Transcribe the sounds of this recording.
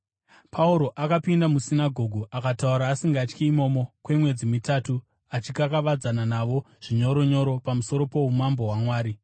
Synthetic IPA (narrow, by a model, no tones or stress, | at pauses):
pʰauɾo̞ʔakapindamusinaɡʱo̞ɡʱuʔakatauɾaːsiŋɡat͡ʃkiːmo̞mokwe̞mwe̞d͡zimitatu | at͡ʃikakaʋad͡zananaʋo̞ | ʐ̥iɲo̞ɾoɲo̞ɾo̞pamuso̞ɾo̞po̞umambo̞ɦwamwaːɾi